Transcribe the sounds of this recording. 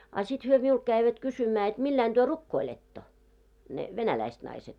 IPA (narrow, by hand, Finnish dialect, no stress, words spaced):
ɑ sit hyø miult kæiʋæt kysymæː et milːæin d̥yø rukːoiletːo ne ʋenælæist nɑiset